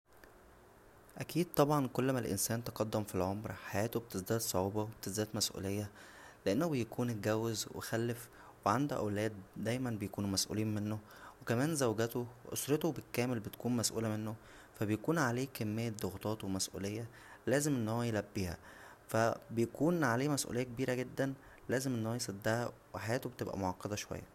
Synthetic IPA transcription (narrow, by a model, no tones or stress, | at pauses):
ʔækiːd̪̚t̪ˤɑbʕɑnkolːmælʔḛnsæːnt̪eqɑd̪ːemfilʕomɾħajæːt̪obet̪esd̪æːd̪sˤoʕuːbɑwebet̪ed̪æːd̪mæsʔṵːlejːæ | leʔenːobejækʰuːn̚ɡæwːezwḛxælːef | weʕand̪oʔæ̰wlæːd̪ːæjmænbejkuːnumæsʔṵːliːnmenːo | wekæmæːnzæwɡæt̪oʔo̰sɾet̪obekæːmelbet̪kuːnmæsʔṵːlæmenːo | fæbejkuːnʕaleːkæmːejːæd̪oɣt̪ˤɑːt̪wemæsʔṵːlejːæ | læːzemʔenːhowːæjelæbːiːhæ̰ | fæbejkuːnʕaleːmæsʔṵlejːæk̚ebiːɾæɡed̪ːæn | læːzemʔenːohːæjsˤed̪ːæhæweħajæːt̪obet̪ebʔæ̰moʕɑqːed̪æʃowæ̰jːæ̰